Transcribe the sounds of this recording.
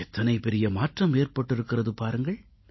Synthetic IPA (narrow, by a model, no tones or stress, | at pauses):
ɛt̪ːɐnɐɪpɛɾɪjɐmaːʈrɐmeːrpɐʈːɪɾɯkːɪrɐðɯpaːɾɯŋɡɐɭ